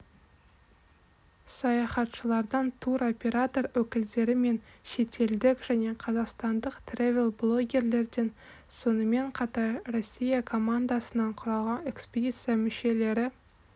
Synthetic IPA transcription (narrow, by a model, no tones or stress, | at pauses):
sɑjɑχɑt̪ʃəlˠɑɾd̪ɑnt̪ʰuɾo̞pʲe̞ɾat̪o̞rwɵkʲɪld̪e̞ɾɪme̞nʃe̞t̪ʰe̞ld̪ɪkʲʒ̥æne̞qʰɑzɑqst̪ɑnd̪əqt̪ʰrʲevʲelˠblˠo̞ɡʲe̞ɾle̞ɾd̪e̞n | so̞nəme̞ɴqʰɑt̪ɑɾro̞sʲːijakʰo̞mand̪asənɑɴqʰʊɾɑlˠʁɑne̞kspʲed̪ʲit̪sɨjamʏʃe̞le̞ɾɪ